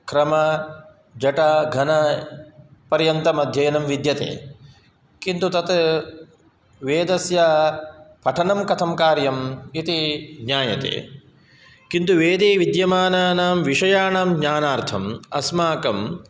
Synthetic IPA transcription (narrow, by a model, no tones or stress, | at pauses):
kɾɐmɐ | d͡ʒɐʈɐɡʱɐnɐ | pɐɾjɐnt̪ɐmɐd̪ʱjɐːnɐmʋid̪jɐt̪ḛː | kint̪ut̪ɐt̪ | ʋeːd̪ɐsja | pɐʈʰɐnɐmkɐt̪ʰɐmkaːɾjɐmit̪iɡɲaːjɐt̪ḛː | kint̪uʋeːd̪eːʋid̪jɐmaːnaːnaːmʋiʂɐjaːnaːmɲaːnaːɾt̪ʰɐmɐ̰smaːkɐm